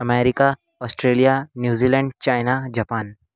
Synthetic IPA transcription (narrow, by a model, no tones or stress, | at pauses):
ɐmɛːɾɪka | ɔːsʈɾeːlijanjuːziːlɛ̃ɳɖ̚t͡ʃaːɪnad͡ʒapaːn